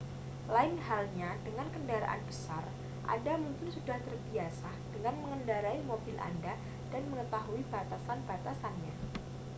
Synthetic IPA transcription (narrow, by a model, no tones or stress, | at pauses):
laɪnɦalɲadəŋankəndaɾa̰ʔa̰nbəsar | ʔa̰damuŋkɪnsudaht̪ərbiasa | d̥əŋanməŋəndaɾaimobɪlʔa̰nda | d̥anməŋət̪aɦuibat̪asanbat̪asanɲa